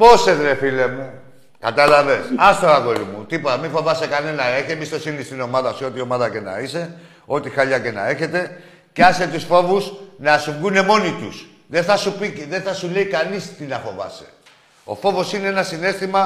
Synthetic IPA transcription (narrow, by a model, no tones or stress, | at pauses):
po̞seðɾefile̞mu | kɐt̪ɐlɐve̞sɐst̪oɐɣo̞ɾimut̪ipot̪ɐmiɱfo̞vɐsekɐne̞nɐe̞çiemist̪o̞sinnist̪ino̞mɐðɐsuo̞t̪io̞mɐðɐce̞nɐ̰ise̞ | o̞t̪ixɐʎɐce̞nɐ̰e̞çe̞t̪e̞ | ceɐset̪usfo̞vusnɐsuŋɡune̞mo̞nit̪ṵs | ðeθɐsupiðe̞θɐsule̞ikɐnist̪inɐfo̞vɐ̰se̞̥̰ | o̞̰fo̞vo̞sineenɐsine̞st̪imɐ